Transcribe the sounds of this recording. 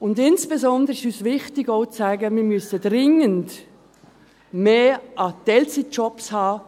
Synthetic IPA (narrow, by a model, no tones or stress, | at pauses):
ʊndɪnsb̥ezɔndəɾɪʃyːsvɪχtɪɡoʊt͡saɪɡəmɪɐmyəsədʁɪŋənd | meːʔɑtɛlt͡sit͡ʃɔpshɑː